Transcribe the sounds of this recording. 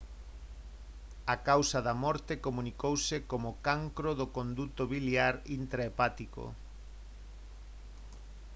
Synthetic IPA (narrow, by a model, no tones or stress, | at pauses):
akawsɐðamɔɾt̪ekomũnikowsekomʊkaŋkɾoðʊkond̪ut̪oβiljaɾint̪ɾaepat̪iko̰